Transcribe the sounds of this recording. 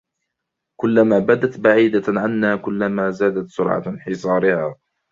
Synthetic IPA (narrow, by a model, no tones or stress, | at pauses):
kʊlːamaːbad̪at̪baʕiːd̪aʕanːaːkʊlːamaːzaːd̪at̪sʊɾʕa̰nħɪsˤɑːɾɪhaː